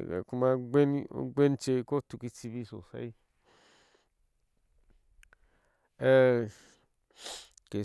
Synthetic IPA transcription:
a̰˧ku˧mã˧ɡʷe˦nɡʷe˦nt͡ʃe˧ko˦t̪u˧ki˧t͡si˧βi˧so˨sa̰˧˦i˦ | e˦˧ | ke˨

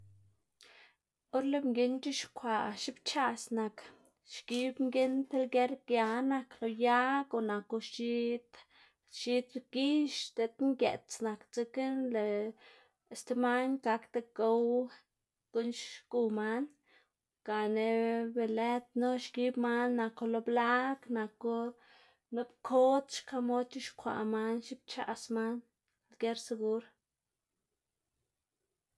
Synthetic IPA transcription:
o˦ɾle˧bŋɡe˧nt͡ʃi˦ʃkʷa˨ʃi˦bt͡ʃa˧sna˨k | ʃɡi˦bŋɡe˦nt̪e˦lɡe˦ɾɡja˧na˧klo˨ja˦ɡo˨na˨ko˧ʃi˦t̪ | ʃi˦t̪ɡi˦ʃt̪e˧t̪ŋɡʲe˨t̪t͡sna˨kt͡se˧ke˦nle˨ | e˨st̪e˧ma˦nɡa˧kt̪e˧ɡo˦w | ko˦nʃku˧ma˦n | ka˨ne˧be˨le˦t̪̚no˦ʃɡi˦bma˦nːa˧ko˧lo˧bla˦kna˨ko˦ | no˦bkʰo˦t̪ʃka˧mo˦t̪ʲu˦ʃkʷa̰˨ma˦nʃi˦b̚t͡ʃa̰˧˨sma˦n | lɡe˦ɾse˧ɡu˦ɾ

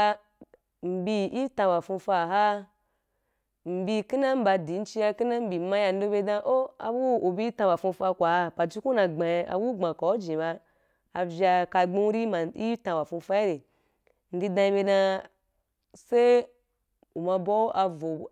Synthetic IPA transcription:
m̩˨bi˧i˦tã˧wa˨fũ˧fa˧˨ɦa˦ | m̩˨bi˧ki˦na˦m̩˦ba˧di˨˦n̩˦t͡ʃi˧ja˧ki˦na˦m̩˦bi˨mã˧˦ja˧n̩˦do˧be˧dã˧ʔo˦a̰˨bu˦o˨bi˦ta˧wa˨fũ˧˦fa˧kʷa˨ha˧pa˨d͡ʒi˦ku˦nã˧ɡ͡ba˨ja̰˨bu˦ŋ͡mã˨ka˨˦d͡ʒĩ˨ba˧ | a˧vʲa˧ka˧ɡ͡bĩ˦ɾi˦ma˨ḭ˦tã˧wa˨fũ˧fa˦i˦ɾe˨ | n̩˦di˧dã˧i˧be˧dã˧ | se˦ | u˨ma˧bo˦ʔa˧vo˨

